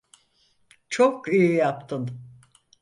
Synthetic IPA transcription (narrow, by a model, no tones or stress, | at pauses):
t͡ʃʰokijijapt̪ʰɯn